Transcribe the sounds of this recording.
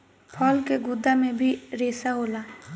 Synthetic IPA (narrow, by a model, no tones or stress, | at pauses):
pʰɔːlkeɡʊd̪amẽbʱiɾeːsaɦoːlaː